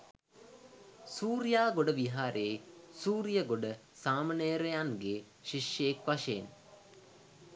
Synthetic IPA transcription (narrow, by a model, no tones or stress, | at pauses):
suːɾijaːɡoɖəʋiɦaːɾʔeːsuːɾijəɡoɖə | saːməneːɾejanɡe | ʃiʃjekʋaʃeːn